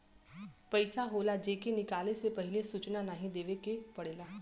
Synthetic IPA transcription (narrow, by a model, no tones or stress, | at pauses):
pəɪsaɦoːlad͡ʒeːkenɪkaːlesepəɦɪlesut͡ʃnanaːɦĩd̪eːʋekepəɽeːlaː